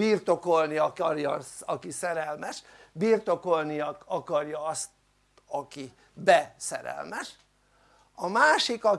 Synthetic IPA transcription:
biːrt̪o̞ko̞lniɒɒrjɒsɒkisɛɾɛlmɛʃ | biːrt̪o̞ko̞lniɒkɒkɒrjɒɒst̪ | ɒki | bɛsɛ̰ɾɛ̰lmɛʃ | ɒmaːʃikɒ

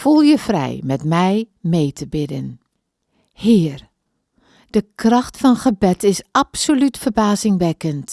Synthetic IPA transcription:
fulˠjəfrɛ̰jmɛtmɛjmejtʰəbɪdən | hɪːr | d̥əkrɑxtfɑnχəbɛtɪsapsolytfərbaːzɪŋʋɛkənt

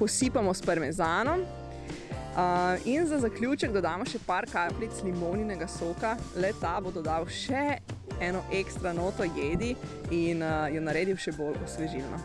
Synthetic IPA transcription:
pɔsiːpamɔspɐɾmɛzaːnɔm | əinzazaklʲjut͡ʃɛɡd̪ad̪aːmɔʃɛpaɾkaːplit̪slimoːninɛɡasoːkalɛt̪abod̪ɔd̪awʃɛɛːnɔʔekst̪ɾanoːt̪ɔjeːd̪iinjɛnaɾeːd̪iwʃɛbolɔsʋɛʒilnɔ̰

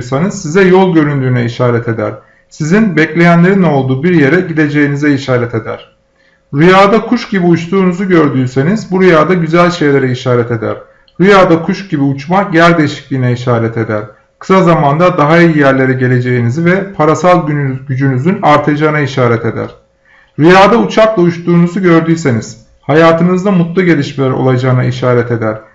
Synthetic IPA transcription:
ɾsanɯz̥sizɛjolˠɟø̞ɾynd̪yːnɛiʃaːɾɛt̪ʰe̞d̪æɾ̥ | sizinbɛclʲe̞jænlʲe̞ɾino̞lˠd̪uːbiɾje̞ɾɛɟilʲe̞d͡ʒe̞jinizɛiʃaːɾɛt̪ʰe̞d̪æ̰ɾ̥ | ɾyjaːd̪akʰuʃɟibiut͡ʃt̪ʰuːnuzuɟø̞ɾd̪yːse̞nizbuɾyjaːd̪aɟyzælʲʃe̞jlʲe̞ɾɛiʃaːɾɛt̪ʰe̞d̪æ̰ɾ̥ | ɾyjaːd̪akʰuʃɟibiut͡ʃmajæɾd̪eʃi̥clʲiːnɛiʃaːɾɛt̪ʰe̞d̪æɾ | kʰɯ̥sazamand̪ad̪aɦaijijæɾlʲe̞ɾɛɟe̞lʲe̞d͡ʒe̞jinizivɛpʰaɾasalˠɟynyɟyd͡ʒynyzynaɾt̪ʰaad͡ʒaɯnaiʃaːɾɛt̪ʰe̞d̪æ̰ɾ̥ | ɾyjaːd̪aut͡ʃʰaklˠaut͡ʃt̪uːnuzuɟø̞ɾd̪yjse̞niz̥ | hajaːt̪ʰɯnɯzd̪amut̪lˠuɟe̞lʲiʃmelʲɛɾo̞̰lˠad͡ʒaɯnaiʃaːɾɛt̪ʰe̞d̪æɾ̥

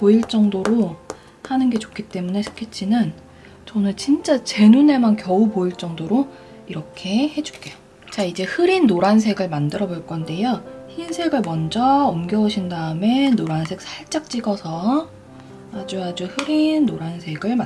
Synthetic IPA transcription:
poiɭt͡ɕ͈ʌŋdoɾo | hanɯnɡe̞t͡ɕo̥kʰit͈e̞mune̞sʰɯ̥kʰet̚t͡ɕ͈inɯn | t͡ɕʌnɯnt͡ɕint͡ɕ͈at͡ɕe̞nune̞mankjʌupoiɭt͡ɕ͈ʌŋdoɾo | iɾʌkʰe̞he̞d͡ʑu̥k͈ejo | t͡ɕaid͡ʑe̞hɯɾinːoɾansʰe̞ɡɯɭmandɯɾʌboɭk͈ʌnde̞joçinsʰe̞ɡɯɭmʌnd͡ʑʌːmɡjʌuɕʰindaɯme̞noɾansʰe̞k̚sʰaɭt͡ɕ͈ak̚t͡ɕ͈iɡʌsʰʌ | ad͡ʑuad͡ʑuhɯɾinːoɾansʰe̞ɡɯɭma

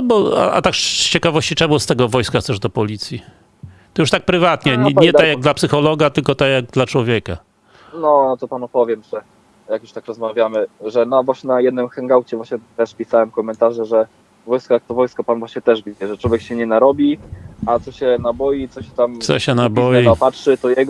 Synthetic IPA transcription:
bɔa̰ʔa̰t̪akʂt͡ɕɛkavɔɕt͡ɕit͡ʂɛmust̪ɛɡɔvɔjskaxt̪ɛʐd̪ɔpɔlʲit̪sʲji | t̪ɔjuʂt̪ak̚pɾɘvat̪ɲɛɲɛt̪akjaɡd̪lapsɘxɔlɔɡat̪ɘlkɔt̪ajaɡ̚d̪lat͡ʂwɔvʲjɛka | nɔnɔt̪ɔpanupɔvʲjɛmʐɛ | jakju̥ʂt̪akɾɔzmavʲjamɘʐɛnavwaɕɲɛnajɛd̪nɘmxɛŋɡawt͡ɕɛvwaɕɲɛt̪ɛʂpʲisawɛmkɔmɛnt̪aʐɛʐɛ | vɔjskɔjak̚t̪ɔvɔjskɔpanvwaɕɲɛt̪ɛʐbʲid͡ʑɛʐɛt͡ʂwɔvʲjɛkɕɛɲɛnaɾɔbʲiat̪sɔɕɛnabɔjit̪sɔɕɛt̪amsɔ̰ɕɛnabɔjɛiapatʂɘt̪ɔjɛɡɔ

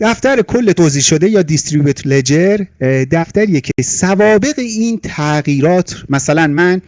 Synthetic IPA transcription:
d̪̥æft̪æɾekʰo̞lːe̞t̪ʰoːziːʃo̞d̪e̞jɒːd̪ist̪ɾibut̪ʰled͡ʒeɾd̪æft̪æɾiːjecʰesævɒːbe̞ɣeiːnt̪ʰæɣiːɾɒːt̪ʰmæsælænmæn

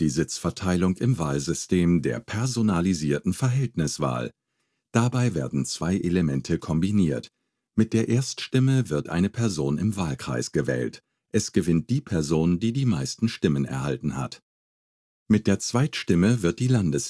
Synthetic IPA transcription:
d̥iːzɪt͡sfɛɐtʰaɪlʊŋɪmvaːlzʏstʰeːmdeːɐpʰɛɐzonaliziːɐtn̩fɛɐɦɛltnɪsv̥a̰ːl | d̥abaɪvḛːɐdn̩t͡sv̥aɪʔeləmɛntʰəkʰɔmbiniːɐt | mɪt̚d̥eːɐʔeːɐstʃtɪməvɪɐtʔaɪnəpʰɛɐzoːnɪmvaːlkʁ̥a̰ɪsɡ̥əvɛ̰ːlt | ʔɛsɡ̥əvɪnt̚d̥iːpʰɛɐzoːndiːdiːmaɪstn̩ʃtɪmənɛ̰ɐɦaltn̩ha̰t | mɪt̚d̥eːɐt͡sv̥aɪtʃtɪməvɪɐt̚d̥iːlandəs

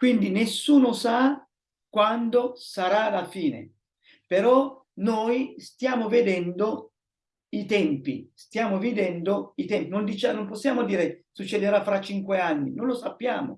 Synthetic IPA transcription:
kwind̪inesːuːnosa | kwand̪osaɾalafiːnḛ | peɾɔ | noːjst̪jaːmoved̪ɛnd̪o | it̪ɛmpḭst̪jaːmovid̪ɛnd̪oit̪ɛmpinond̪it͡ʃanomposːjaːmod̪iːɾesut͡ʃːed̪eɾafːɾat͡ʃːiŋkweanːinonlosapːjaːmo̰

